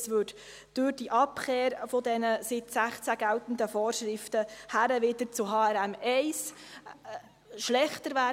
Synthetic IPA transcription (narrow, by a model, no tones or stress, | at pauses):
sʋʏd | d̥ʊɾd̥iʔɑpχeːɾfɔdɛnəsɪt̪sæχt͡sæɡælt̪n̩d̪əfɔːrʃɾɪftəhæɾəʋɪdəɾt͡sʊɦɑːɛɾæmɛɪs | ʃlɛχtəɾʋæ